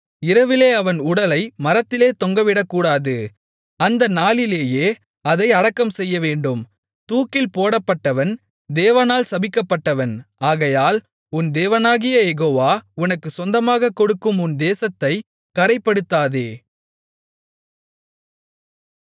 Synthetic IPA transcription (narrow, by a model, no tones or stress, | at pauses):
ɪɾɐʋɪleːɐʋɐnʊɽɐlɐɪmɐɾɐt̪ːɪleːt̪ɔŋɡɐʋɪɽɐkːuːɽaːðɯ | ɐnd̪ɐnaːlɪleːjeː | ɐðɐɪɐɽɐkːɐmsɛjːɐʋeːɳɖɯm | t̪uːkːɪlpoːɽɐpːɐʈːɐʋɐn | d̪eːʋɐnaːlsɐbɪkːɐpːɐʈːɐʋɐnaːɣɐjaːl | ʊnd̪eːʋɐnaːɣɪjɐjɛɣoːʋaːʊnɐkːɯsɔnd̪ɐmaːɣɐkːɔɽɯkːɯmʊnd̪eːsɐt̪ːɐɪ | kɐɾɐɪpːɐɽɯt̪ːaːðeː